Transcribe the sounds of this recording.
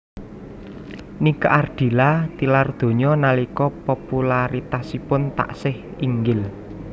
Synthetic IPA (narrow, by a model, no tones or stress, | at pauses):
nikaʔard̪̥i̤lat̪ilard̪̥o̤ɲɔnalikɔpopulaɾit̪asipʊnt̪a̰ʔsɪhiŋɡɪl